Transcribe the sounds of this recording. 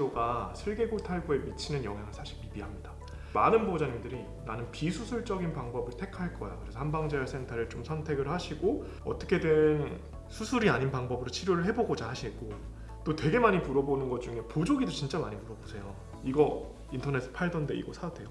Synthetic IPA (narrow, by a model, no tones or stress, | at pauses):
oɡasʰeɭɡe̞ɡotʰaɭbue̞mit͡ɕʰinɯnjʌ̰ŋɦjaŋɯɭsʰaɕʰiɭmibiɦamɲida | manɯnbod͡ʑaɲimdɯɾi | nanɯnpisʰusʰuɭt͡ɕ͈ʌɡinpaŋbʌbɯɭtʰe̞kʰaɭk͈ʌja̰kɯɾe̞sʰʌhanbaŋd͡ʑejas͈ʰe̞ŋtʰaɾɯɭt͡ɕomsʰʌntʰe̞ɡɯɭhaɕʰiɡo | ʌ̰t͈ʌkʰe̞dwen | sʰusʰuɾiaɲinpaŋbʌbɯɾot͡ɕʰiɾjoɾɯɭɦe̞boɡod͡ʑaɦaɕʰik͈o | t͈otwe̞ɡe̞maɲimuɾʌbonɯnɡʌt̚t͡ɕ͈uŋe̞pod͡ʑoɡidot͡ɕint͡ɕ͈amaɲimuɾʌbosʰe̞jo | iɡʌ | intʰʌne̞sʰɯpʰaɭdʌnde̞ḭɡʌsʰatʰe̞jo